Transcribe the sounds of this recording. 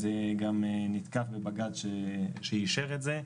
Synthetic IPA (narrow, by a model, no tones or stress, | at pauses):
zeɡamenit̪kafbebaɡadʃeʃejiʃeʁetze